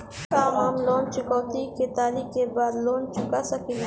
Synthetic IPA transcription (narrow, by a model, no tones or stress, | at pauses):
kaːɦaːmloːnt͡ʃʊkɔːt̪iket̪aːlikebaːd̪loːnt͡ʃʊkasɐkĩ